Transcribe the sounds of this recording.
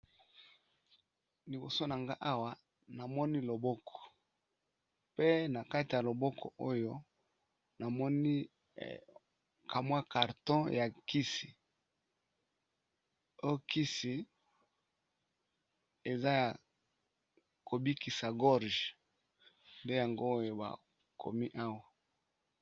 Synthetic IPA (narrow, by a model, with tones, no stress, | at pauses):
li˨bo̰˨so˦na˨ŋɡa˦ʔa˦wa˦ | na˨mɔ˦ni˦lo˨bɔ˦kʰɔ̥˨ | pe˦na˨ka˦ti˨ja˨lo˨bɔ˦kʰɔ̰˨ʔo˦jo˦ | na˨mɔ˦ni˦ | kʰa˨mwa˦ka˨ʁtɔ̃˦ja˨ki˦si˨ | o˦jo˦ki˦si˨ | e˨za˦ja˨ | ko˨bi˦ki˨sa˨ɡɔ˦ʁʒ | nde˦ja˨ŋɡo˦o˦jo˨ba̰˨ | kʰo̰˨mi˦ʔa˦wa˨